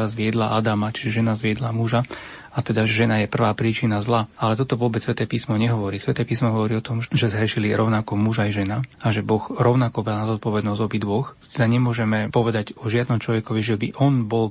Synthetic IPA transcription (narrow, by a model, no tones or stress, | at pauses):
azʋɪɛd̪laʔad̪amat͡ʃiʒɛʒɛnazʋɪɛd̪lamuʒa | at̪ɛd̪aɛʒɛnajɛpr̩ʋaːpɾiːt͡ʃinazlaalɛt̪ɔt̪ɔʋʊɔbɛt͡ssʋɛt̪ɛːpiːsmɔɲɛɦɔʋɔɾiːsʋɛt̪ɛːpiːsmɔɦɔʋɔɾiːɔt̪ɔmʒɛzɦɾɛʃiliɾʔɔʊnakɔmuʒajʒɛnaaʒɛbɔɣɾɔʊnakɔbɾalnazɔt̪̚pɔʋɛd̪nɔzɟɔbid̪ʋɔxt̪ɛd̪aɲɛmʊɔʒɛmɛpɔʋɛd̪aɟɔʒɪad̪nɔmt͡ʃlɔʋɛkɔʋiʒɛbiʔɔnbɔl